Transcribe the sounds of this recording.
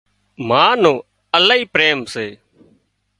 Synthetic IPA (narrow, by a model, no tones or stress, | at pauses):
maːnõː | əlaːiːpɾeːmseː